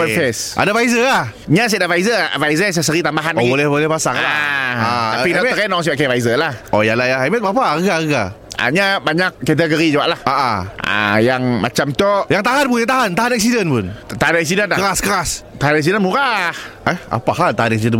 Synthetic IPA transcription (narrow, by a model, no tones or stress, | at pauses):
pəfɛsʔa̰dafajzəlah | ɲas̬ɛdavajzəvajzəs̬əsəɾit̪ambaɦanobolɛhbolɛhpasaŋaaapinɔəkɛnɔŋs̬iaʔkavaizəlahojalajaɦamat̪̚bapaəɡaɣəɡa | ʔa̰ɲabaɲak̚ːɛt̪̬əɡoɾid͡ʒawaʔlahaʔaa̰jaŋmat͡ʃamt̪ojaŋt̪aɦanpuŋjat̪aɦant̪aɦanɛk̚sidənpʊnt̪aɦanɛk̚sidənaəɾaskəɾast̪aɦanɛk̚s̬idənmuɾahʔɛa̰pahalt̪aɦanɛk̚sidən